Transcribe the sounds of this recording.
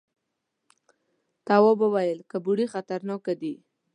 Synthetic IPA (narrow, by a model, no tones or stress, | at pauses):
t̪awobəwajəlkəbuɽixat̪aɾnɑkad̪i